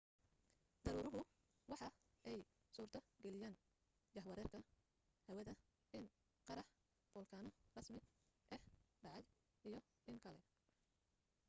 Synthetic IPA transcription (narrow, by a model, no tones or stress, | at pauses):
d̪ɐɾuːɾʊɦʊ | wɑħɑ | ɛj | suːrt̪ʰɐɡɛlɪjaːn | d͡ʒɑħwɐɾɛːrkʰɐ | hɐwɐðɐ | ʔɪn | qɑɾɑħ | b̥ɔːlkʰaːnɔrɐsmɪʔɛhɖɑʕɑj | ʔijɞ | ʔɪŋkʰɐlɛ